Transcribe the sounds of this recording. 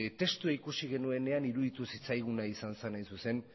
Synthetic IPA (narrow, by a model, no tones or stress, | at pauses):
t̪e̞st̪uaikusiɣ̞e̞nue̞ne̞aniɾuðit̪usit͡sajɣ̞unaisansenajnsuse̞n